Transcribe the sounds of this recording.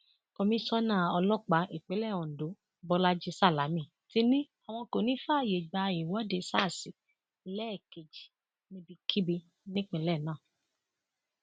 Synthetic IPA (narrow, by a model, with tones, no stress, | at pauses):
kɔ˧mĩ˦sɔ˦nã˦˨ɔ˧lɔ˦k͡pa˨˦ʔi˨k͡pe˨˦lɛ˦˨ɔ̃˨n̩˨do˨˦ | bɔ˧la˦d͡ʒi˧sa˦˨la˨˦mĩ˦˨ | ti˧˦nĩ˦ | a˨w̃ɔ̃˧ko˨nĩ˨˦fa˦˨je˨ɡ͡ba˧i˨wɔ˨˦de˨˧˦sa˦˨si˨ | lɛ˦˨ke˨d͡ʒi˨ | nĩ˧bi˧kʰi˦bi˧ | nĩ˦k͡pĩ˧˨˦lɛ˦˨nãː˦˨